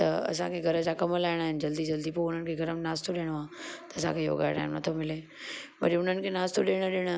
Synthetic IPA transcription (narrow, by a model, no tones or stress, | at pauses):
t̪ɐɐ̰sãkʰeɡʱɐɾəd͡ʑakɐməlaːɪɽ̃aːɦɪnɪ̆d͡ʑɐld̪id͡ʑɐld̪ipoʊn̤ənɪ̆kʰeɡʱɐɾəmnaːst̪oɗeːɽ̃oãːt̪ɐɐsãkʰejo̰ːɡaːɪɽ̃a̰ːɦɪnɪnɐt̪ʰomɪleː | ʋɐ̰ɾiʊn̤ənɪ̆kʰenaːst̪oɗeːɽ̃əɗɪɽ̃ə